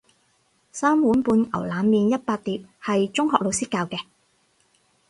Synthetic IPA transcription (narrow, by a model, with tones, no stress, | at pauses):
saː˥mwuː˨˥npuː˨˧nɐ̰˨˩wlaː˨˧˥nːiː˨njɐ˥t̚paː˧k̚t̪iː˨p̚hɐ˨jt͡ʃʊ˥ŋɦɔː˨k̚lo˨˧wsiː˥kːaː˧wkɛː˧